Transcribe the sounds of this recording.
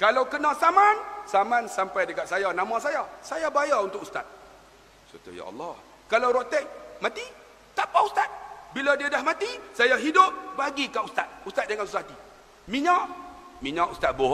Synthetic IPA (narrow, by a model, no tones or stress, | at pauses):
kalawkənãsamansamãnsampajdəkat̪̚sajanamãsajasajabaajaunt̪ʊkust̪a̰t̪̚ | sət̪ṵja̰ɑ̰lːɑh | kalawɾot̪ɛʔ̚mãt̪i | t̪apaust̪at̪̚biladiadahmãt̪isajaɦidʊp̚baɡikaʔust̪at̪̚ust̪at̪̚dəŋansusaat̪i | miɲaʔ | miɲãʔust̪at̪̚bo